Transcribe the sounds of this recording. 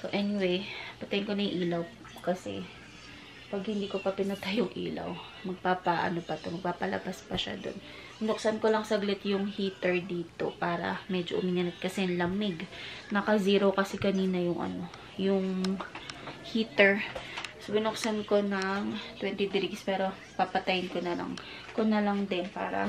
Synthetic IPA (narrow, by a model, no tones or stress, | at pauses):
soʔɛnɪwejpɐt̪ɐjɪnko̞nɐjʔiːlɐw | kɐsɛ̰ | pɐɡhɪnd̪iːkopɐpɪnɐt̪ajʊŋʔḭːlɐ̰w | mɐɡ̚paːpɐʔɐ̰nopɐt̪omɐɡ̚papɐlɐ̰baspɐʃa̰d̪o̞̰n | bɪnʊk̚sɐnkolɐŋsɐɡlɪt̪jʊŋhiːt̪ɛɹd̪iːt̪o̞paːɾɐ̰mɛd͡ʒoʔʊ̰miːnɐnɐt̪̚kɐsɛnlɐmɪɡnɐkɐziːɾokɐsɛkɐniːnɐjʊŋʔɐ̰no̞ | jʊŋ | hit̪ɛɹsʊbɪnʊksanko̞nɐŋt̪wɛnt̪id̪ɾiɡspɛːɾo̞ | papɐt̪ɐjɪnkonɐlɐ̰ŋ | konɐlɐŋd̪ɪnpa̰ːɾɐ̰